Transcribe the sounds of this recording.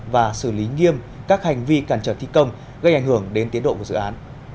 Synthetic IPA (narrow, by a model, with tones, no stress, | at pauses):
vaː˨˩sɨ˧˩li˨˦ŋi˧əm | kaː˦˥k̚ha˨˩jŋ̟vi˧kaː˧˩nt͡ɕəː˧˩t̪ʰi˧kə˧wŋ͡m | ɣə˧jʔŋhɨ˧˩əŋɗe˨˦nt̪i˨˦əɗo̰˧˨ku˧˩zɨ̰˧˨ʔaː˨˦n